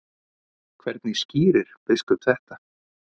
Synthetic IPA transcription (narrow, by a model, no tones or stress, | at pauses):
kʰvɛɾt̪nɪsciːɾɪɾ̥pɪskʏt̪θɛht̪a